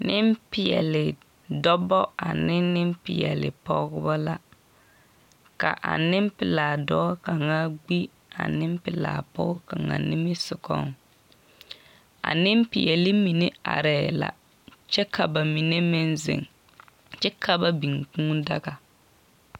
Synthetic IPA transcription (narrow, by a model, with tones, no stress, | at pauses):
nɪ˦mpɪ˨jɛ̰˨lɪ˨ | dɔ˦bɔ˦a˨nɪ˦nɪ˦mpɪ˨jɛ˨lɪ̰˨pɔ˦ɡʊ˦ba˦la˨ | ka˨ʔa̰˨nɪ˦mpɪ˨laː˨dɔː˦ka˨ŋa˦ɡ͡bi˦ | a̰˨nɪ˦m˦pɪ˨la̰ː˨pɔ˦ɡʊ˦ka˨ŋa̰˨nɪ˦mɪ˦sʊ˨kɔ̰˦ŋ | a̰˨nɪ˦m˦pɪ˨jɛ˨lɪ˦mi˨ne˦a̰˨ɾɛ˨la̰˨ | t͡ʃɛ˦kʰa˨ba˨mi˨ne˦mɪ˦nzɪ̰˨ŋ | t͡ʃɛ˦kʰa˦ba˨bi˨ŋ˨kũ˦da˦ɡa˨